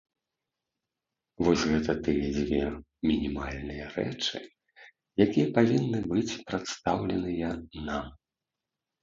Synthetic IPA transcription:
vɔsʲɣɛt̪ɐt̪ɨjɛd͡zʲvʲɛ | mʲinʲimalʲnɨjɐrɛ̰t͡ʂɨ̰ | jakʲijɐpavʲinːɨbɨt͡sʲpɾat̪st̪awlʲɛnɨjɐnam

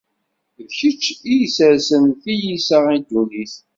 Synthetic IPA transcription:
vçət͡ʃːijsəɾsənθijisəʁid̪ːuniθ

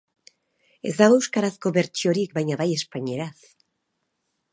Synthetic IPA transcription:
e̞zd̪aɣowuskaɾasko̞βe̞ɾt͡ʃio̞ɾikbajɲaβaje̞spaɲieɾaθ

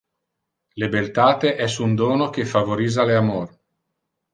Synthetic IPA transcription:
lebelt̪aːt̪eʔɛsund̪oːnok̟efavoɾiːzaleamor

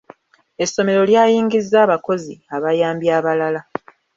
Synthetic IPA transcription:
e̞sːo̞me̞ɾo̞ljaːjiːŋɡizːaːβako̞ziaβajaːmbjaːβalala

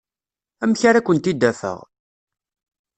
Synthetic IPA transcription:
æmçaɾakʷːənt̪id̪ːæfə̰ʁ

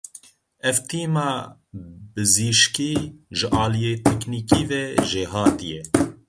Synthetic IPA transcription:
ɛvt̪ʰeːmɑː | bɨziːʃkiːʒɨʔɑːlijeːt̪ʰɛkniːkiːvɛʒeːɦɑːt̪ijɛ

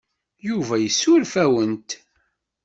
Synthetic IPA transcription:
juvæjəsːʊlfæwənt̪

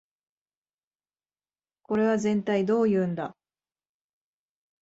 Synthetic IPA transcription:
ko̞ɾe̞βazẽ̞nt̪aid̪o̞ːjɯ̟ːnd̪a̰

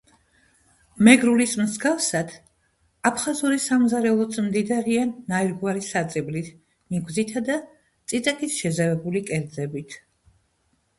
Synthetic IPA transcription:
mɛɡɾulismzɡafsad̪̥ | apʰχazuɾisamzaɾɛlˠɔt̪sʰmd̪id̪aɾianːaiɾɡwaɾisat̪sʼiblit̪ʰ | niɡwzit̪ʰad̪a | t̪sʼit̪sʼakʼisʃɛzavɛbulikʼɛɾd̪zɛbit̪ʰ

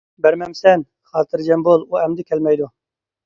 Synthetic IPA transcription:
bɛɾmɛmsɛn | xɑːt̪ɨɾd͡ʒɛmboːluːɛmd̪ɨkʲʰɛlmɛjd̪oː

